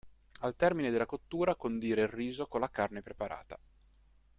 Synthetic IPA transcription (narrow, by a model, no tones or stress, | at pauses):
alt̪ɛrmined̪elːakot̪ːuːɾakond̪iːɾeilriːzokolːakarnepɾepaɾʔa̰ːt̪a